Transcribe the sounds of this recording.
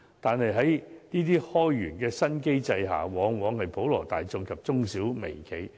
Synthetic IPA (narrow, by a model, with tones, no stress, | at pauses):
t̪aː˨nhɐ˨jɦɐ˨˥jniː˥t̪̬iː˥hɔː˥jːyː˨˩nkɛː˧sɐ˥nke˥jt͡sɐ˧jɦa̰ː˨˩wɔː˨˥ŋwɔː˨˥ŋhɐ˨jpo˨˥wlɔ̰ː˨˩t̪aː˨jt͡sʊ˨˧ŋkʰɐ˨p̚t͡sʊ˥ŋsiː˨˥wmḛ˨˩jkʰe˨˧j